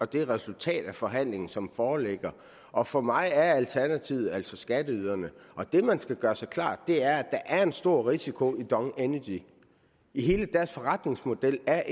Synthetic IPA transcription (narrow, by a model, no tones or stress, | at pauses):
ɒ̽d̥e̝ʁɛsult͡sʰɛ̰ːd̥æfɒ̽ɦæn̰le̝ŋn̩sɒ̽mfɒːleɡ̥ɐ | ʔɒ̽fɒ̽mɑ̈ɪæɐælt͡sʰæɐnæt͡sʰiʊð̩ˠæl̰sɒ̽sɡ̥æd̥əyð̞ˠɐnəʔɒ̽d̥e̝mænsɡ̥æɡ̥ɶːɐsɑ̈ɪkʰlɑ̰̈ːd̥ːe̝æɐæd̥ɑ̈ʔæɐe̝nsd̥o̝ɐ̰ʁisikʰo̝id̥ɒ̽ŋenəd̥i | iɦe̝ːləd̥æɐsfɒ̽ʁɑ̈d̥ne̝ŋsmo̝d̥el̰æɐʔ